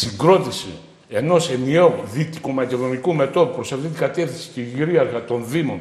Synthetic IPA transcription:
siŋɡɾo̞t̪isḭ | e̞no̞se̞nieoðit̪i̥komɐce̞ðo̞nikume̞t̪o̞ðupɾo̞sɐft̪it̪iɡɐt̪e̞fθinsi̥t̪iʝiɾiɐɾɣɐt̪o̞nðimo̞n

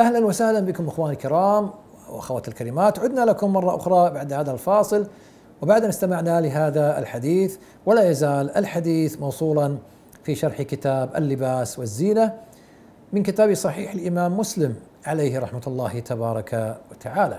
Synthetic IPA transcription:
ʔahlanwɪsahlanbɪkʊmʔɪxwaːnilkɪɾɑːmwʔʔa̰xawat̪ɪlkalɪmaːt̪ʕʊd̪nalakʊmːɑrˤːɑʔʊ̰xɾˤɑbaʕd̪haːðalfɑːsˤɨl | wɪbaʕd̪ʔanɪst̪amaʕnalɪɦaːðaɪ̰lħad̪iːθ | wɪlajazaːlʔɪ̰lħad̪iːθmɑwsˤuːlɑn | fiʃɑɾˤħkɪt̪aːbʔɪ̰lːɪbaːswɪzːiːna | mɪnkɪt̪aːbisˤɑħiːħalʔɪmaːmːʊslɪm | ʕaleːhɾˤɑħmat̪lˤːɑːht̪ʰabɑːɾˤɑkawat̪aʕaːla

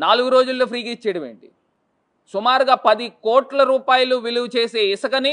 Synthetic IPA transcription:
naːluɡuɾo̞ːd͡ʒulːoːpʰɾiːkit͡ʃːɐːɽɐmeːɳʈi | sumaːɾuɡaːpɐd̪ikoːʈlɐɾuːpaːjɐluʋiluwt͡ʃeːse̞ːisɐkɐni

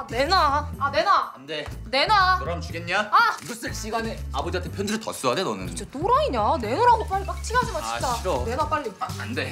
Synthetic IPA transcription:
ane̞naane̞naandene̞naoɾamt͡ɕʰuɡenɲiaaɡɯs͈ɯɾɕ͈iɡaneabod͡ʑiatʰepʰjʌndɯɾɯtʌs͈uɦadenʌnɯ̰nɯt͡ɕʰotoɾaiɲane̞noɾaɡop͈aɭːip͈ak̚t͡ɕʰiɡad͡ʑimant͡ɕi̥t͡ɕ͈aone̞nap͈aɭːipak̚ande̞

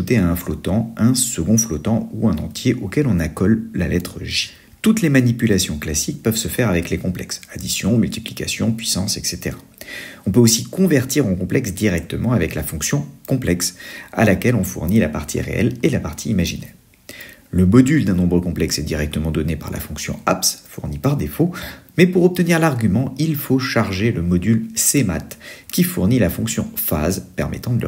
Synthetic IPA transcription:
ut̪eaɛ̃flɔt̪ɑ̃ɛ̃səɡɔ̃flɔt̪ɑ̃uɛ̃nɑ̃t̪jeʔokɛlɔ̃nakɔlːalɛt̪χəʒi̥ | t̪ut̪lemanipylasjɔ̃klasik̚pœvsəfɛʁavɛklekɔ̃plɛ̰ksad̪isjɔ̃mylt̪i̥plika̰sjɔ̃pɥisɑ̃sɛkset̪eʁa | ɔ̃pøosikɔ̃vɛʁt̪iʁɑ̃kɔ̃plɛksd̪iʁɛk̚t̪əmɑ̃avɛklafɔ̃ksjɔ̃kɔ̃plɛksa̰lakʲɛlɔ̃fṵʁnila̰paʁt̪ʰḭʁḛɛ̰lelapaʁt̪ʰiːmaʒḭnɛʁ | ləmɔd̪yld̪ɛ̃nɔ̃bʁəkɔ̃plɛksɛd̪iʁɛk̚t̪əmɑ̃d̪ɔnepa̰ʁla̰fɔ̃ksjɔ̰̃apsfuʁnipaʁd̪efomɛpuʁɔp̚t̪əniʁlaʁɡʲymɑ̃ilfoʃaʁʒeləmɔd̪ylsema̰t̪kʲifuʁnilafɔ̃ksjɔ̰̃fa̰zpɛʁmɛ̰t̪ɑ̃d̪əl

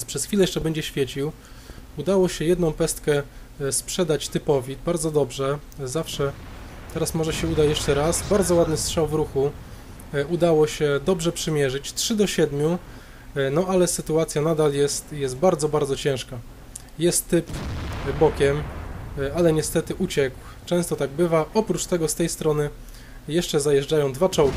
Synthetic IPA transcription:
pʂɛsxfʲilɛjɛʂt͡ʂɛbɛɲd͡ʑɛɕfʲjɛt͡ɕiw | ud̪awɔɕɛjɛd̪nɔ̃w̃pɛst̪kɛ | spʂɛd̪at͡ɕt̪ɘpɔvʲibaɾd̪zɔd̪ɔbʐɛzafʂɛt̪ɛɾasmɔʐɛɕɛud̪ajɛʂt͡ʂɛɾasbaɾd̪zɔwad̪nɘstʂawvɾuxu | ud̪awɔɕɛd̪ɔbʐɛpʂɘmʲjɛʐɘt͡ɕtʂɘd̪ɔɕɛd̪mʲju | nɔalɛsɘt̪uat̪sʲjanad̪aljɛst̪jɛst̪̚baɾd̪zɔbaɾd̪zɔt͡ɕɛ̃w̃ʂka | jɛst̪ːɘpbɔkʲɛm | alɛɲɛst̪ɛt̪ɘʔut͡ɕɛkw | t͡ʂɛ̃w̃st̪ɔt̪aɡ̚bɘvaʔɔpɾut͡ʂt̪ɛɡɔst̪ɛjst̪ɾɔnɘ | jɛʂt͡ʂɛzajɛʐd͡ʐajɔ̃w̃d̪vat͡ʂɔwk

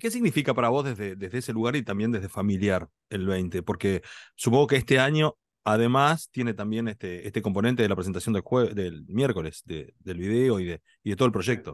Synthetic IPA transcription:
ke̞s̬iɣnifikapaɾaβ̞o̞zðezðeðeɦðeeseluɣaɾit̪ambjend̪e̞ɦðefamiljaɾ | elβejnt̪epo̞ɾkesupoŋɡo̞keest̪eaɲo̞ | aðemast̪je̞net̪ambje̞nest̪eest̪e̞ko̞mpo̞nent̪eðelapɾesent̪asjond̪elxwed̪elmjeɾko̞le̞sðḛðe̞lβiðeo̞iðe | iðet̪olpɾo̞ʒek̚t̪o̞

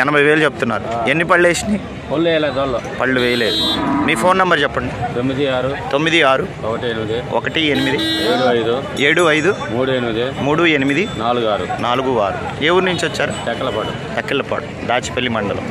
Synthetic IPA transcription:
ɛnɐbʱɐjʋeːlut͡ʃebut̪unːa̰ːɾuenːipɐɭːeːsini | polːuʋɛːjɐlaːd̪ɐlːoːpɐɭːuʋɛːjɐle̞ːd̪umiːpʰo̞ːnːɐmbɐɾt͡ʃɛpːɐɳɖit̪omːid̪iaːɾut̪o̞mːid̪iaːɾuɔkɐʈienimid̪iɔkɐʈienimid̪ieːɽuɐjd̪u | e̞ːɽuɐjd̪umuːɽuenimid̪imuːɽuenimid̪inaːluɡaːɾṵnaːluɡua̰ːɾṵ | eːwuɾnuɲt͡ʃʋɐt͡ʃːaːɾut̪ɐkːɐlɐpaːɽṵ | t̪ɐkːiɭːɐpɐ̰ːɽu | d̪aːt͡ʃi̥pɐɭːimɐɳɖɐlo̰ː

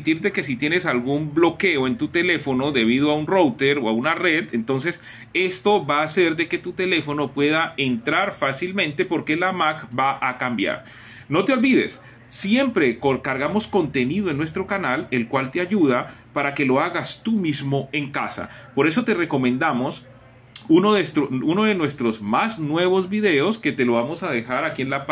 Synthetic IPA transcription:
t̪iɾd̪e̞ke̞sit̪je̞ne̞salɣumblo̞ke̞oe̞nt̪ut̪e̞le̞fo̞no̞ðe̞β̞iðoaunrowt̪eɾoaunare̞ðent̪o̞ns̬e̞s | e̞st̪o̞βaːse̞ɾd̪e̞ke̞t̪ut̪e̞le̞fo̞no̞pwe̞ðaent̪ɾaɾfasilmẽ̞nt̪e̞po̞ɾke̞lamakbaʔakambja̰ɾ | no̞t̪eolβiðe̞̰sː | je̞mpɾe̞kokaɾɣamo̞sko̞nt̪e̞niðoenwe̞s̬t̪ɾo̞kanale̞lkwalt̪eaʝuðapaɾake̞lo̞aɣast̪umizmo̞e̞ŋka̰sa̰ | po̞ɾe̞so̞t̪e̞re̞ko̞mẽnd̪amo̞s | unoðest̪ɾouno̞ðe̞nwe̞st̪ɾozmaznwe̞βo̞zβiðe̞o̞ske̞t̪e̞loβ̞amo̞sað̞e̞xaɾakie̞nlap

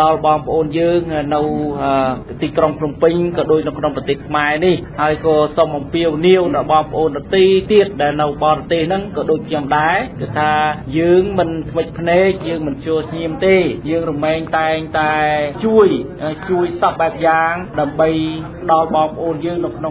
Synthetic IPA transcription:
ɗɑlɓɑːŋpə̆ʔoːnjəːŋnɨwə | t̪iːkroŋpʰnumpɨɲkɑːɗoːc̚nɨwkʰnoŋprɑt̪eːhkʰmaɛnihhaəjkɑːsomʔɑmpiəwniəwnəɓɑːŋpə̆ʔoːnɗat̪iːt̪iət̪̚ɗaɛlnɨwɓɑːɾɑt̪eːhnɨŋkɑːɗoːc̚kʰɲomɗaɛkɨt̪ʰːaːjəːŋmɨnt̪ʰʋəc̚pʰneːk̚jəːŋmɨnt͡ɕʰɔəlsʰɲiəmt̪eːjəːŋrumːeːŋt̪aɛŋt̪aɛt͡ɕuəjʔt͡ɕuəjsɑp̚ɓaɛp̚jaːŋɗaəmɓəjpə̆ɗɑlɓɑːŋpə̆ʔoːnjəːŋnɨwkʰno

